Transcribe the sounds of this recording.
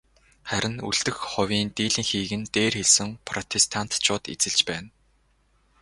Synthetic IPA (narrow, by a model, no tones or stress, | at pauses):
χæɾʲɪ̆nṵɮt̪ɘ̆xχɔwʲiːnt̪iːɮiːŋxiːɣɘ̆nt̪eːrxeɮsɘ̆ŋpʰrɔt̪ʰest̪ʰan̥t̪t͡ɕʰʊːt̪ḛt͡sɘ̆ɮt͡ɕpæːn